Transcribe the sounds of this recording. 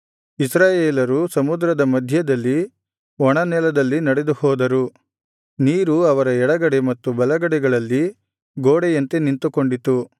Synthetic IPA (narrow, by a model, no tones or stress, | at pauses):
isɾaːjeːlɐɾusɐmud̪ɾɐd̪ɐmɐd̪ʱjɐd̪ɐlːi | ɔɳɐnɛlɐd̪ɐlːinɐɽe̞d̪uhɔːd̪ɐɾu | niːɾuɐʋɐɾɐɛɽɐɡɐɽemɐt̪ːubɐlɐɡɐɽɛɡɐɭɐlːi | ɡoːɽɛjɐnt̪enint̪uko̞ɳɖit̪ːu